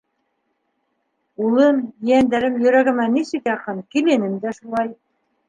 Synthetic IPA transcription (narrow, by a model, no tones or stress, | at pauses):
ulˠɤmijænd̪æɾɘmjɵ̆ɾæɡɘ̆mæniʃɘkjɑqɤnkilɘ̆nɘmd̪æʃulˠɑj